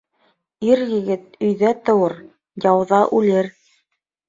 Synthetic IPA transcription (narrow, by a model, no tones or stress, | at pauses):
iɾjɘ̆ɡɘt̪̚ɵ̆jðæt̪ɤ̆wɤɾ | jɑwðɑʔʉlɘɾ